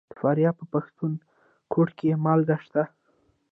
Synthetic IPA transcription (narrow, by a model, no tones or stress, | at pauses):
d̪̥əfɑɾjɑpəpaxt̪un | kʰoʈkemɑlɡaʃt̪a